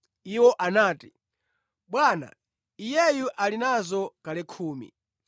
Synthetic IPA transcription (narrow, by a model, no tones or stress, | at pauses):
iwɔʔanaːti̥ | ɓwaːna̰ | ijɛjuʔalinazɔkalɛkʰuːmḭ